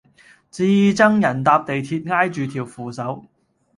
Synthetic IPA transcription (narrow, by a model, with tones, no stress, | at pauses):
t͡siː˧˨t͡sɐ˥ŋjɐ˨˩nt̪aː˧p̚t̪e˨jt̪ʰiː˧t̚ŋaː˥jt͡ʃyː˨t̪ʰiː˨˩wfuː˨sɐ˨˥w